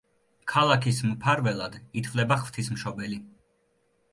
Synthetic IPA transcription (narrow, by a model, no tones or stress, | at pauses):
kʰalˠakʰismpʰaɾvɛlˠad̪it̪ʰvlɛbaχv̥t̪ʰismʃɔbɛli